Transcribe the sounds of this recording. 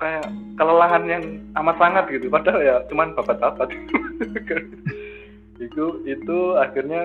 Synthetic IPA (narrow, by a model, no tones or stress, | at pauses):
kajakələlaɦanjaŋamat̪ssaŋat̪̚ɡit̪upadaljat͡ʃumanpapat̪apat̪̚kai | ik̪uit̪uaxirɲa